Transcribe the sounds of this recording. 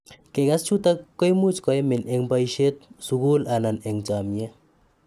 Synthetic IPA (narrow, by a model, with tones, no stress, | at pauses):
ke˨ɡa˦st͡ʃu˦t̪akːɔ˦jmu˦t͡ʃkɔ˨jmɪ˨ne˨ŋba˦jʃe˦t̪̚suɡu˦la˨na˨ne˨ŋt͡ʃa˨mjɛ˦